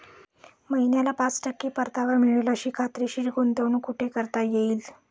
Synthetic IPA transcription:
məɦinjalapat͡sʈəkːiːpəɾt̪ʰaʋamiɭeləɕiːkʰat̪ɾeɕiːʈɡont̪eʋɳukuʈʰekəɾt̪ajeiːl

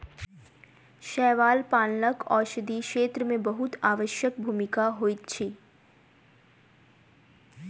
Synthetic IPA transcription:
ʃɛːʋaːlpaːnnəkɔːɾʃəd̪ikʃeːt̪ɾəmẽbəɦʊt̪aːʋəʃjək̚bʱuːmɪkaɦoːit̪t͡ʃʰiː

